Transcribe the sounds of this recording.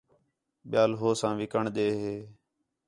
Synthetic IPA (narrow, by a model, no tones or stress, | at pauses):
ɓɪjaːlɦoːsãːʋɪkəɳɗ̪eːɦeː